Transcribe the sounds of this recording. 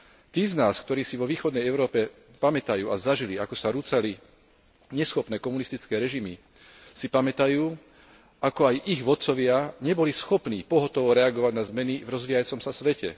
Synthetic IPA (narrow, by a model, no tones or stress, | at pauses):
t̪iːznaːskt̪ɔɾiːsiʋɔʋiːxɔd̪nɛjɛʊɾɔːpɛ | pamɛt̪ajuːazaʒiliakɔsaɾut͡sali | ɲɛsxɔpnɛːkɔmunist̪it͡skɛːɾɛʒimi | sipamɛt̪ajuː | akɔajʔiɣʋɔt̪̚t͡sɔʋɪaɲɛbɔlisxɔpniːpɔɦɔt̪ɔʋɔɾɛaɡɔʋaɟnazmɛnivɾɔzʋiːjat͡sɔmsasʋɛcɛ̰